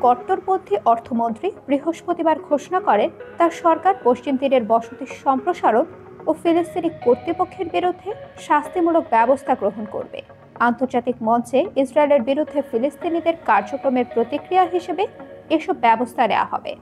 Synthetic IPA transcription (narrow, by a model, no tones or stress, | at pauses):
kɔɾʈːoɾpod̪ʱːiʔɔɾt̪ʰomont̪ɾibɾiɦoʃpot̪ibaɾɡʱoʃonakɔɾet̪aɾʃɔɾkaɾpoʃt͡ɕimd̪ineɾbɔʃot̪iʃɔmpɾoʃaɾon | ofilist̪inikkoɾt̪ɾipokʰːeɾbiɾud̪ʱːeʃast̪ʰimulok̚bɛbost̪ʰaɡɾoɦonko̰ɾbḛ | ant̪oɾd͡ʑat̪ikmɔnt͡ɕeisɾaeleɾbiɾud̪ʱːefilist̪inid̪eɾkaɾd͡ʑokɾomeɾpɾot̪ikɾiaɦiʃebeeʃɔbːɛbost̪ʰanḛwa̰ɦɔ̰bḛ